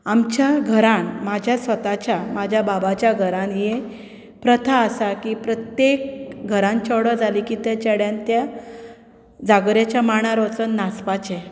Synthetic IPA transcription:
amt͡ɕjaɡʱəɾanmad͡ʑʱjasʋət̪at͡ɕjamad͡ʑʱjababat͡ɕjaɡʱəɾanje | pɾət̪ʰaːsakipɾət̪jek̚ɡʱəɾãnt͡ɕəɽəd͡zʱalikiːt̪et͡ɕɛɽjant̪ja | d͡zaɡɾjat͡ɕjamaɳ̃aɾot͡sənːaspat͡ɕe

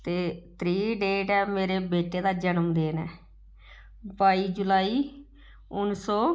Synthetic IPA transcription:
t̪eːt̪ʰɾiːɖeːɖɛːmeːɾeːbeːʈeːd̪aːd͡ʒənəmd̪eːnɛː | baːiːd͡ʒʊlaːiː | ʊnsɔː

